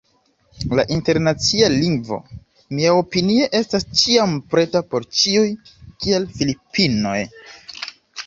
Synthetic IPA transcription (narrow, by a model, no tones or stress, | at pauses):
la̰ʔinte̞ɾnat͡sialiŋɡvo̞̰ | miao̞pinie̞ʔe̞stast͡ʃiampɾe̞tapo̞ɾt͡ʃiujkie̞lfilipino̞j